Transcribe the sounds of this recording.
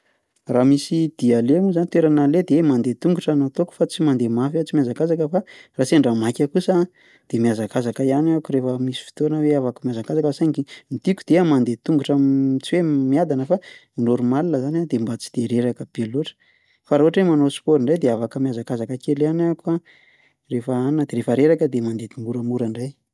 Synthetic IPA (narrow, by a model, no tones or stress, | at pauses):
ramisid̪̥ialemuzanit̪weɾanaled̪emand̪et̪uŋɡuʈ͡ʂanot̪oku̥fat͡simand̪emafat͡simiazakazakəfaraseɳɖ͡ʐamakʲakusa | d̪̥emiazakazakəijanakuɾefəmisi̥fi̥t̪onəweavakmjazakazakəsaɲkimit̪ikud̪̥eamand̪et̪uŋɡuʈ͡ʂət͡siwemiad̪anəfa | noɾumalinəzanad̪embat͡si̥d̪̥eɾeɾakəbeloʈ͡ʂə̥ | faɾoɦaʈ͡ʂwemanospoɾiɳɖ͡ʐajd̪eavakəmiazakazakəkelanakua | refəannəd̪eɾefəɾeɾakəd̪emand̪ed̪uŋɡuɾəmuɾaɳɖ͡ʐaj